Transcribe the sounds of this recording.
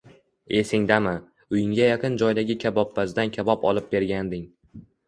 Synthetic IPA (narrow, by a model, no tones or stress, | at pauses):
e̞sɪŋd̪amɪ | ʊjɪŋɡʲajaqʰɨnd͡ʒɒjd̪aɡʲɪkʲʰabɒpːazd̪ankʲʰabɒpɒ̰lˠɪp̚be̞ɾɡʲand̪ɪŋ